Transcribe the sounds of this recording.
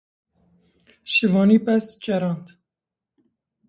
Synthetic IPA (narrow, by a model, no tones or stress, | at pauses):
ʃɨvɑːniːpɛsd͡ʒɛɾɑnd̪